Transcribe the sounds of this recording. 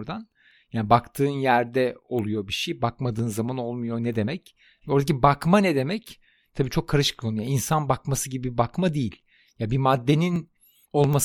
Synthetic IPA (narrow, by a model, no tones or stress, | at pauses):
ɾd̪an | jaːnbakt̪ʰɯːnjæɾd̪ɛo̞lˠujo̞biʃejbakmad̪ɯːnzamano̞lˠmujo̞nɛd̪e̞mɛc | oɾd̪acibakmanɛd̪e̞mɛc | t̪ʰabiːt͡ʃʰo̞kʰːaɾɯʃɯ̥kkʰonujainsanbakmasɯɟibibibakmad̪ejilʲ | jabimad̪ːe̞nin | o̞lˠmas